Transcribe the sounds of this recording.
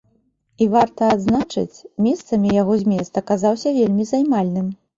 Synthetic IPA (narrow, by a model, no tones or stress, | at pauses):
ivart̪ɐːd̪znat͡ʂɨ̰t͡sʲmʲɛst̪sɐmʲijaɣɔzʲmʲɛst̪ɐkazawsʲɐvʲelʲmʲizajmalʲnɨm